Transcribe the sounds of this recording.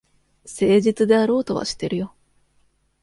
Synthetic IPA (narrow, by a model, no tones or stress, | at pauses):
se̞ːʑit͡sɨd̪e̞aɾo̞ːt̪o̞βa̰ɕi̥t̪ːe̞ɾɯ̟jo̞